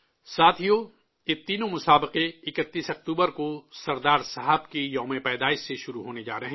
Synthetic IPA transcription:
saːt̪ʰijoː | ɪt̪ːiːnõmʊsaːbɪqeɪkət̪ːiːsɐk̚t̪uːbəɾkosɐɾd̪aːɾsɐɦəbkijɔːmepɛːd̪aːɪʃseʃʊɾuɦoːned͡ʒa̰ːɾɐɦɛ̃

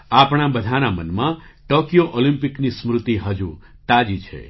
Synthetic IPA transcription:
apɳ̃abəd̪ʱanamənmãʈokijoʔolĩmpiknismɾut̪iɦəd͡ʒu | t̪ad͡ʒit͡ʃʰḛ

